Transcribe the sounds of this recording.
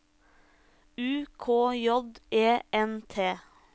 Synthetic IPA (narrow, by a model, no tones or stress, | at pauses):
ʉːkʰoːjɔd̪ʔeːɛnt̪ʰeː